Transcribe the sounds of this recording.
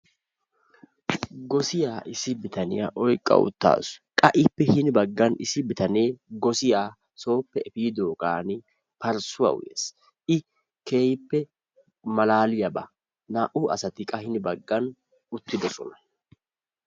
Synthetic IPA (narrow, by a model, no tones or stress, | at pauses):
ɡɔsɪjaːʔɪsɪbɪt̪ɐnɪjaʔɔjkʼːɐ̰ʊ̰t̪ːa̰ːsʊ̥kʼɐʔɪpːɛhɪnɪbɐɡːɐnɪsɪbɪt̪ɐneːɡɔsɪjaː | so̞ːpːɛɛfiːd̪o̞ːkʼaːnɪ | pɐɾsʊwɐ̰w̰jes | ʔɪ | ke̞ːjɪpːɛ | mɐlaːlɪjɐbɐ̰ | naʔuʔɐsɐt̪ɪkʼɐhɪnɪbɐɡːɐn | ʊt̪ːɪd̪ɔsɔ̰nɐ̥